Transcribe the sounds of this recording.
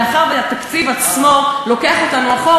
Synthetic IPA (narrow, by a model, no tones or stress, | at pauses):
aχaʁveat̪akt͡sivat͡smo̞lo̞keaχo̞t̪anuaχo